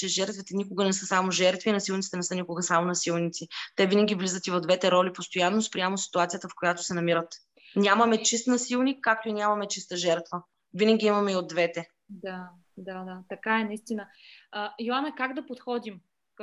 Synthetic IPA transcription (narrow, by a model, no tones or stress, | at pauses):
t͡ʃɛʒɛɾt̪vit̪ɛnʲikʊɡənɛsɤsamoʒɛɾt̪vinɐsilˠnit̪sit̪ɛnɛsɤnikʊɡəsamonɐsilˠnʲit̪sit̪ɛvinəɡʲivlizət̪ivɐd̪vɛt̪ɛɾɔlipost̪ojanːospɾʲijamosi̥t̪uat̪sijət̪əfkojat̪o̥sɛnɐmiɾət̪ | nʲamɐmɛt͡ʃist̪nɐsilˠnikːak̚t̪oinʲjamɐmɛt͡ʃist̪əʒɛɾt̪və | vinəɡʲiimɐmɛiod̪ːvɛt̪ɛ | d̪a | d̪ad̪at̪ɐkaɛnɐist̪inəəjoanɛkaɡd̪ɐpot̪xɔd̪im